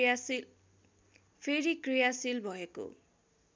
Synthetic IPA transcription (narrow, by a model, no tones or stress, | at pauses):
pʰeɾikrijasilbʱʌeko̰